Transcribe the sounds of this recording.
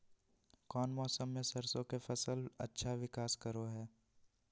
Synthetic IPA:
kɔːnmɔːsəmːẽsɐɾsõkefɐsəlɐ̰tːʃʰaʋɪkaːskɐɾoɦɛː

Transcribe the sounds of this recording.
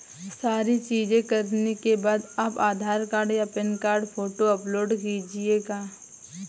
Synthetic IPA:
saːɾit͡ʃiːd͡ʒẽkɐɾnekebaːd̪ɐbaːd̪ʱaːɾkaːɾɖjapɪnkaːɾɖpʰoːʈoɐploːɖkiːd͡ʒieːɡaː

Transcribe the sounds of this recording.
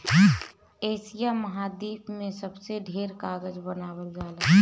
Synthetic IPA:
eːsijaməɦad̪iːpmẽsəbseɖʱeːɾkaːɡəd͡ʒbənaːbəld͡ʒaːla

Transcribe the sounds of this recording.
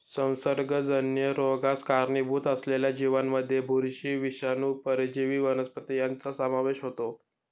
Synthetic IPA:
sə̃w̃səɾɡəd͡zənjəɾoɡaskaɾɳibʱuːt̪əsleljad͡ʑiʋanməd̪ʱːjebʱuɾɕiːʋiɕanuːpəɾid͡ʑiʋiːʋənəspət̪ijant͡sasəmaʋeɕɦot̪o

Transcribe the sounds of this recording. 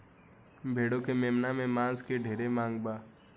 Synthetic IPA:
bʱeːɽokemeːmnamẽmãːzkeɖʱeːɾemãːŋɡbaː

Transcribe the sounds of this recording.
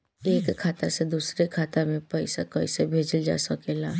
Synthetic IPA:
eːkʰːaːt̪ased̪uːsɾekʰaːt̪amẽpəɪsakəɪsebʱeːd͡ʒəld͡ʒa̰ːsəkeːlaː

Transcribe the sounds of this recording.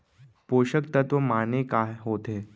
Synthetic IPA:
poɕəkt̪ət̪ʋəmanekajɦot̪e

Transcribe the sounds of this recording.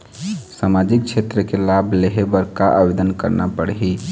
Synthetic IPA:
samad͡ʒik̚t͡ʃʰet̪ɾəkelabʱleɦebəɾkaʔabed̪ənkəɾna̰pəɽɦi

